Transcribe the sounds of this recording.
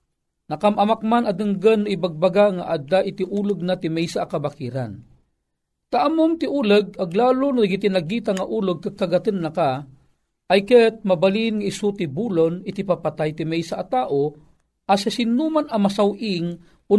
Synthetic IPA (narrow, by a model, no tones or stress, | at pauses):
nakamamak̚manad̪ɨŋɡənːaibaɡ̚baɡaŋaʔad̪aʔit̪iʔuːləɡ̚nat̪imɛjsaʔakabakiɾa̰n | t̪aʔamʊmt̪iʔuːləɡ̚aɡlaːlʊnaɡit̪inaɡit̪aŋaʔuːləɡ̚kaɡ̚kaɡat̪ənːaka | ajkət̪̚mabalinŋaisut̪ibuːlonit̪ipapat̪ajt̪imɛjsaʔat̪aːʔo | ʔasasinumanamasawʔiŋ | ʊ